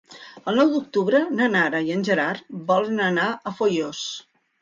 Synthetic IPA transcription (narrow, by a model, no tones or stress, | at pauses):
əlˠnɔwd̪uk̚t̪uβɾənənaɾəiənʲʒəɾaɾbɔlənənaʔəfojos